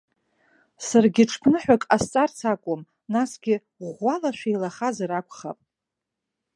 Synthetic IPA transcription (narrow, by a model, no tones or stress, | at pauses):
sarɡʲɪʈ͡ʂʰpʰnɨħʷᶣakʼast͡sʼart͡sʰakʷʼom | nasɡ̥ʲɪ | ʁʷalaʃʷᶣijlaχazaɾakʷʰʼχa̰pʼ